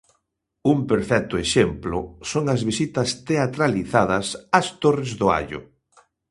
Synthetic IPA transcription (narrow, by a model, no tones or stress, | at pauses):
umpeɾfɛk̚t̪ʊeʃemplʊ̰soŋɐzβisit̪ɐst̪eat̪ɾaliθað̞ɐsɐst̪orɪzðʊa̰ʎʊ̰